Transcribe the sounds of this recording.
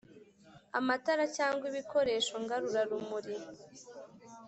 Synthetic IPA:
amataɾacaːŋɡwiβikʰo̞ɾe̞ːʃo̞ŋɡaɾuɾaɾumuɾi

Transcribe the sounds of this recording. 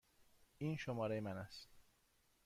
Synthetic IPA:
iːnʃomɒːɾejemænæst̪

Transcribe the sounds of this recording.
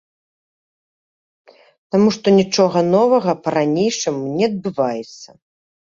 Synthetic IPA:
t̪amuʂt̪ɔnʲit͡ʂɔɣɐnɔvɐɣɐpɐɾanʲejʂɨmnʲɛɐd̪̚bɨvajɛt̪sːɐ

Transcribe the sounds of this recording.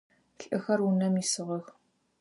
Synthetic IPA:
ɬʼʔɨxɐrunɐmisɨʁɐx

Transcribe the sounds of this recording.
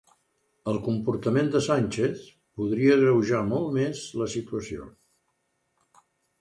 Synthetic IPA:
əlˠkumpurt̪əmend̪əsanʲt͡ʃeθ | puðɾiəɣɾəwʒamɔlˠt̪mezləsit̪uəsio̰

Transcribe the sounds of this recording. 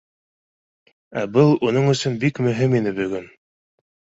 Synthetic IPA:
æbɤlˠunɤɴɵ̆sɵnbikmɵ̆ɦɘminɘbɵ̆ɡɵn

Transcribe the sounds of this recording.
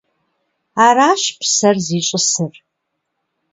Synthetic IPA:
aːɾaːʃpʰsɐrziːɕʼɪsɨr

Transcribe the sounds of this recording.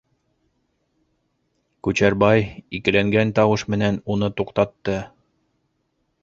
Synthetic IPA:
kʉt͡ɕæɾbɑjikɘ̆læŋɡænt̪ɑwɤʃmɘ̆nænunɤt̪uqt̪ɑt̪ːɤ

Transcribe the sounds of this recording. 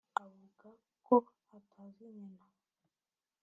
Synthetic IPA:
aβuka | koatʰaziɲɛna

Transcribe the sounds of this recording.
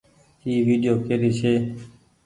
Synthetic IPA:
iːʋiːɗɪjoːkeːɾiːsʰeː

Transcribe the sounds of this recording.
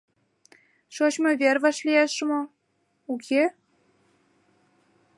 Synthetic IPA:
ʃot͡ɕmovʲervɑʃlʲieʃmo | ukʰʲe

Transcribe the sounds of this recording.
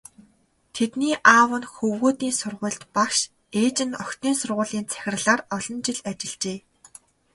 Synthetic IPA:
t̪ʰet̪niːʔaːwə̆nxɵwɣoːt̪iːnsʊrʁʊ̆ːɬt̪pakʃ | eːt͡ɕɪ̆nɔkt̪iːnsʊrʁʊːɮiːnt͡sʰæ̥xʲɪ̆rɮaːrɔɮɞ̆nt͡ɕɪ̆ɮat͡ɕɪ̆ɮt͡ɕeː

